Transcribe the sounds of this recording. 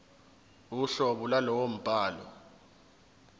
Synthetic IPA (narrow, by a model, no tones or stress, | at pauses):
uɬɔɓulalɔwom̩pʼaːlɔ